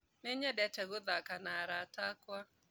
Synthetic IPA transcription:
neɲɛdɛtɛɣoðakanaɾatakwa

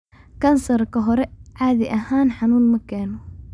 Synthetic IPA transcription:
kansˤɑɾˤkaɦoɾeʔʕaːd̪iʔahaːnħanuːnmakaːnu

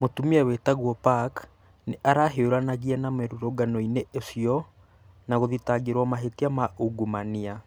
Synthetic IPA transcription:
motumiɛwetaɣwɔpak | neʔaɾaɦeoɾanaɣiɛnameɾuɾoɡanɔineʔesiɔ | naɣoðitaɡeɾwɔmaɦetiamaʔuɡumania

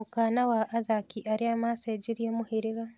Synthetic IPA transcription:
ukanawaʔːðakiʔaɾiamased͡ʒiɾjemuhiɾiɣa

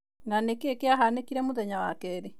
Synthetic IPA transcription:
ŋanekekeaɦanekiɾɛmoðɛɲawakɛɾe

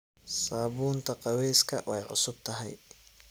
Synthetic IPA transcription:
saːbuːnt̪ʰɐqɑwɛːskʰɐwʔɛjʕʊ̰sʊb̥̚t̪ʰɐɦɛj

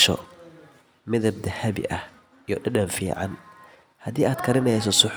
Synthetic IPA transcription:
ʃɔ̰ | mɪðɐb̚d̪ɐhɐβɪ̰ʔɐh | ijɔɗɐɖɐnfḭːʕɑ̰n | hɐðiːaːd̪kʰɐɾɪnɛjsɔsʊħ

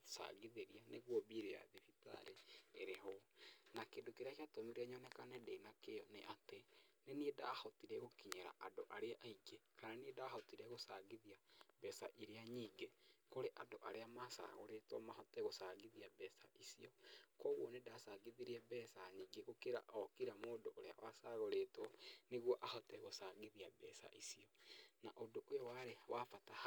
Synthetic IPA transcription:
sa̰ɣiðeɾianeɣwɔβiɾea̰ðefita̰ɾeːɾeɦɔnakendokeɾeakeatomiɾɛɲɔnɛkanɛdeinakejɔneʔateneniedahɔtiɾɛɣokiɲɛɾa̰ʔadoʔaɾeaʔaiɡekaɾaniedahɔtiɾɛɣosaɣiðiabɛsaʔiɾeaɲiːɡekoɾeʔandoʔaɾeamasa̰ɣo̰ɾetwɔmahɔtɛɣosaɣiðiabɛsaʔisiɔkɔːɣwɔnedasaɣiðiɾiɛbɛsaɲiːɡeɣokeɾa̰ʔɔkiɾamoːndoʔoɾea̰wasaɣoɾetɔneɣwɔʔahɔtɛɣosaɣiðiabɛsa̰ʔisiɔnaʔodoʔojɔwaɾewafatah

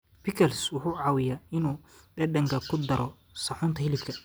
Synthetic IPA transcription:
pɪkʰɐlswʊħuːʕɑːwɪjaɪnuː | ɖɛɖɐŋkʰɐkʰʊd̪ɐɾʔɔ | sɐħʊːnt̪ʰɐhɪlɪfkʰɐ

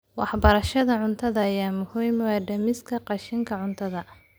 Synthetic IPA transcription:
wɑħbɐɾɐʃɐðɐʕʊnt̪ʰɐðɐːjaːmʊhujmwɛɖɐmɪskʰɐqɑʃɪŋkʰɐʕʊnt̪ʰɐðɐ

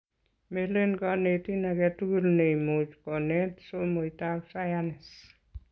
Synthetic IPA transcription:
melenkanetinakɛtukulnejmot͡ʃkɔnɛtsomoitaksajanɪs

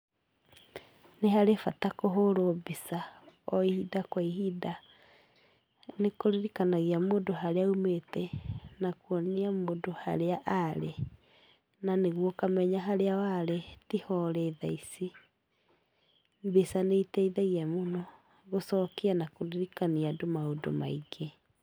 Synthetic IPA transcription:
neɦaɾefatakoɦoɾobisaɔihidakwaihida | nekoɾiɾikanaɣiamoːndoɦaɾeaumetɛnakwɔniamoːndoha̰ɾeaʔaɾe | naneɣwɔkamɛɲaɦaɾeawaɾetihɔɾɛːðaisi | besaneitɛiðɛɣiamonɔ | ɣosɔːkeanakoɾiɾikaniadomaondo̰maiɡe

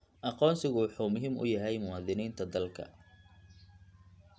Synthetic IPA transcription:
ʔɑqɔːnsɪɣʊwɑħuːmʊɦiːmʊ̰jɐɦɛjmʊwɑːðɪniːnt̪ʰɐd̪ɐlkʰɐ̰

